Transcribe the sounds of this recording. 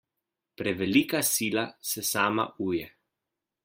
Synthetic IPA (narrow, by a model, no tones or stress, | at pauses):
pɾɛʋɛliːkasiːlasɛsaːma̰uːjɛ